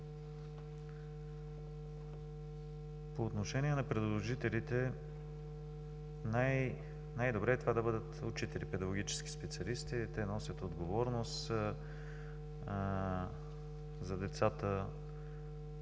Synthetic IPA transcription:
poːt̪noʃɛniɛnɐpɾɛd̪lˠoʒit̪ɛlit̪ɛ | naj | najd̪obɾɛt̪ovad̪ɐbɤd̪ət̪ʊt͡ʃit̪ɛɾipɛd̪ɐɡoɡʲit͡ʃɛ̥sk̟i̥spɛt̪siɐlist̪it̪ɛnɔsʲət̪od̪ɡovɔɾnost̪ | zɐd̪ɛt̪sat̪ə

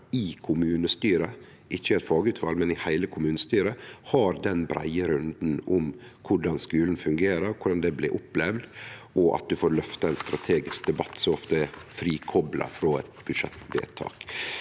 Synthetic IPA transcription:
ɪkʰʊmʉːnəst̪yːɾə | ʔɪçːəɪɛt̪fɑːɡəʉːt̪ʋɑlmɛnɪhæɪləkʰʊmʉːnəst̪yːɾəhɑɾd̪ɛnbɾæ̰ɪəɾʉnd̪n̩ʔʊm | kʰʊɖɑnskʉːln̩fʉŋɡeːɾəɾkʰʊɖɑnd̪ɛblɛʔʊplɛʋd̪ʔɔʔɑ̰t̪̚d̪ʉfoːɾlœft̪əɛnst̪ɾɑt̪ʰeːɡɪsk̚d̪ɛbɑt̪ːsɔɔft̪əɛfɾiːkʰɔblʔɑ̰fɾoːɛt̪bʉʂɛt̪ːʋḛːt̪ʰɑ̰ːk

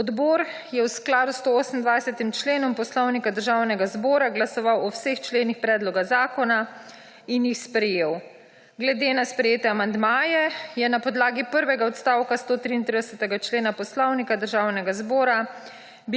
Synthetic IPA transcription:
ɔd̪bɔːɾ | jɛwsklaːd̪ust̪ooːsm̩nd̪ʋajsɛt̪imt͡ʃleːnɔmpɔslɔwnikad̪əɾʒaːwnɛɡazbɔːɾaɡlasɔʋawɔwsext͡ʃleːnixpɾɛːd̪lɔɡazaːkɔna | injixspɾɛjeːw | ɡlɛd̪eːnaspɾɛjeːt̪ɛamand̪maːjɛjɛnapɔd̪laːɡipəɾʋɛɡaɔt̪st̪awkast̪oːt̪ɾiːnt̪ɾid̪ɛsət̪ɛɡat͡ʃleːnapɔslɔwnikad̪əɾʒaːwnɛɡazbɔːɾa | b

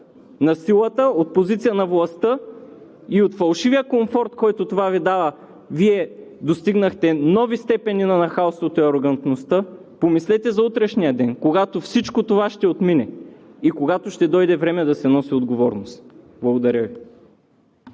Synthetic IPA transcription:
nɐsilˠət̪əot̪̚pozit̪sijənɐvlˠɐst̪ə | iot̪fɐlˠʃivijəkoɱfɔɾt̪kɔjt̪ot̪ovavid̪avə | viɛd̪ost̪iɡnəxt̪ɛnɔvist̪ɛpɛninɐnɐxaʊst̪vot̪oiɐɾoɡɐnt̪nost̪ɤ | pomislɛt̪ɛzɐut̪ɾɛʃnijəd̪ɛnkoɡat̪ofsit͡ʃkot̪ovaʃt̪ɛot̪minɛikoɡat̪oʃt̪ɛd̪ɔjd̪ɛvɾɛmɛd̪ɐsɛnɔsiod̪ɡovɔɾnost̪blˠɐɡod̪ɐɾʲjəvi

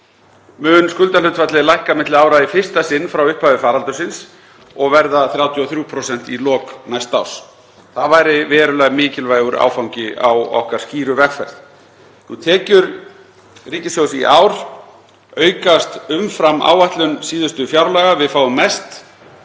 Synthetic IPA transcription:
mʏːnskʏlt̪alʏt̪fat̪lɪlajhkamɪt̪lɪaːwɾaifɪ̥st̪asɪnːfɾawʏhpavɪfaːɾalt̪ʏsɪns | ɔɣvɛɾðaθɾjawt̪ʰiɔθɾuːpʰɾɔsɛn̥t̪ilɔːknajst̪aws | θavaːjɾɪvɛːɾʏlaɣmɪːcɪlvaːjɣʏɾa̰ːwfawɲcɪʔa̰wɔ̰hkaɾ̥sciːɾʏvɛkfɛɾ̥θ | nut̪ʰɛːcʏɾ | riːcɪsjowsḭʔaːwɾ̥ | œːɥkast̪ʏmfɾamːʔa̰ːwvaht̪lʏnsiːðʏst̪ʏfjaɾlaɣavɪðfaːwʏmːɛst̪

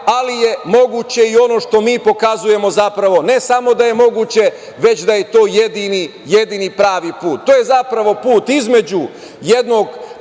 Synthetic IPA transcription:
alije̞mo̞ɡut͡ɕe̞io̞no̞ʃt̪o̞miːpo̞kazuje̞mo̞zapɾaʋo̞ne̞samo̞d̪aje̞mo̞ɡuːt͡ɕe̞ | ʋe̞t͡ɕd̪aje̞t̪o̞ːjed̪ini | jed̪iːnipɾaːʋipuːt̪ːoːje̞zapɾaʋo̞puːt̪izme̞d͡ʑu | je̞d̪no̞ɡ

